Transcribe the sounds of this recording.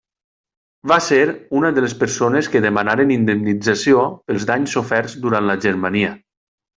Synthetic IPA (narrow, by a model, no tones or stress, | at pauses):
βaseɾunəðəlespəɾsoneskəðəmanaɾenind̪emnid͡zasiopəlˠzðaɲsofɛɾzd̪uɾanləʒəɾmaniə